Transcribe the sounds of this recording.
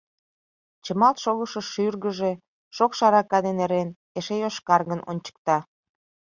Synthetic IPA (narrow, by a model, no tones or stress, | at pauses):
t͡ɕəmɑlt̪ʃoɣəʃəʃyrɣəʒe̽ | ʃokʃɑɾɑkɑd̪eneɾen | eʃejoʃkɑrɣənʔo̰nʲt͡ɕə̥k̚t̪ɑ